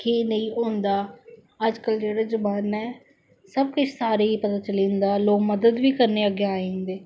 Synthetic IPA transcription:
kenəĩːɦʊ̃ːnd̪aː | əd͡ʒkəld͡ʒeːɽaːd͡ʒʊbaːnɛː | səb̚kʊt͡ʃʰsaːɾeːiːpət̪aːt͡ʃəlĩːnd̪aːloːkməd̪əd̪ʋiːkəɾneːəɡeːaːĩːnd̪eː

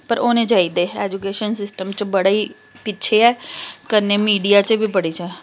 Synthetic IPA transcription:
pəɾoːnẽd͡ʒaːid̪eːɛːd͡ʒukeːʃənsɪsʈəmt͡ʃbɐɽai | pɪtːt͡ʃʰeɛːkəɾnemiːɖijat͡ʃəbʱipəɽit͡ʃɛː

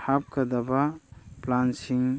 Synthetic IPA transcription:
hap̚kad̪abaplansiŋ

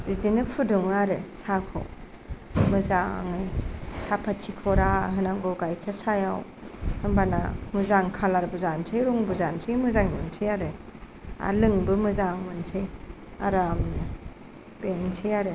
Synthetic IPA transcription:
ɾizinɯpʰudɔŋɯaɾesakʰɔ̰ | mɯzaŋɯjsʰapʰatt͡ʃʰikʰɔɾaɦɯnaŋɡɔɡajkʰesajawhɯŋbanamɯzaŋkʰalaɾbɯzansʰejɾɔŋbɯzansʰijmɯzaŋmɯnsʰijaɾe | a̰lɯŋbɯmɯzaŋmɯnsʰej | aɾamnɯ | b̥ensʰijaɾe

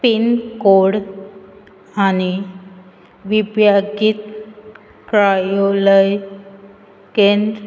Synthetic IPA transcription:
pinkoɽ | ani | ʋibjaɡit̪ | kɾajoləj | kend̪

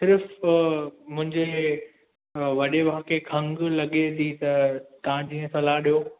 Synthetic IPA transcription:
sɪɾf | mʊ̃ɦɪ̃ɲd͡ʑe | ʋɐɗeʋaɦkʰekʰɐ̃ŋɡlɐɠet̪ʰit̪ɐt̪ɐʋãd͡ʑiːə̃sɐlaɗijo

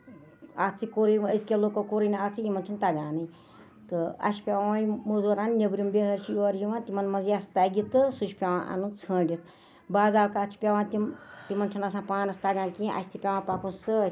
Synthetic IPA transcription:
at͡sɨkoɾijəskʲeloːkokoɾiniat͡sɨjimɐnt͡ʃʰunt̪aɡaːnɨ | t̪ɨɐ̰ʃi̥pʲaʋaajmozoɾaːnnʲebɾimbʲeɦɐɾt͡ʃʰijuɐɾjiʋãːnt̪ʲimɐnmɐnziast̪aːjɡʲit̪ɨsuʃʲpʲaʋãːʔɐ̰nut͡sʰəːɳɖʲit̪̚ | baːzaːwkaːt͡ʃʰi̥pʲaʋãːnt̪imt̪imɐnt͡ʃʰunɐsãːpaːnɐst̪aɡãːnkiʔɐ̰sʰʲt̪ipʲaʋãːpakunsɨ

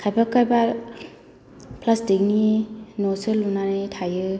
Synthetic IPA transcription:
kʰajbakajba | pʰlasdɯŋinɔsɯlunanitʰajɯ

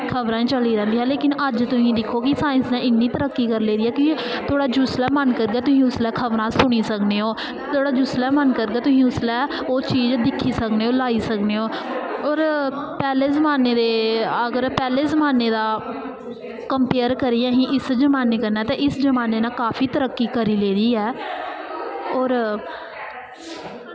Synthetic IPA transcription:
kʰəʋɾãːĩːt͡ʃəliːɾə̃ːnd̪iːɦãːleːkɪnəd͡ʒt̪ʊsĩːd̪ɪkʰːoːkɪsaːɪnsnãːɪnːiːt̪əɾəkːiːkəɾleːɾɪːɛːki | t̪ʰoːɽaːd͡ʒʊslɛːmənkəɾɡɛːt̪ʊsĩːʊslɛːkʰəʋɾãːsʊɽ̃iːsəkneːoː | t̪ʰoːɽaːd͡ʒʊslɛːmənkəɾɡɛːt̪ʊsĩːʊslɛː | oːt͡ʃiːd͡ʒd̪ɪkʰːiːsəkneːoːlaːiːsəkneːoːɔːɾpɛːleːzəmaːneːd̪eːəɡəɾpɛːleːzəmaːneːd̪aː | kəmpeːəɾkəɾijãːɦĩːʔɪsd͡ʒəmaːneːkəɾnaːt̪ẽːʔɪsd͡ʒəmaːneːnãːkaːpʰiːt̪əɾəkːiːkəɾiːleːd̪iːɦɛː | ɔːɾ

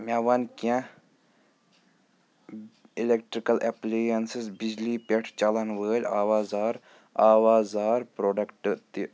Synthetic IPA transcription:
maʋɐnkã | ilekʈɾikɐlʔepleːɐnsisbid͡ʒliːpeʈʰt͡ʃɐlɐnʋəːlʲaːʋaːzaːɾ | aːʋaːzaːɾpɾoːɖɐkʈt̪i

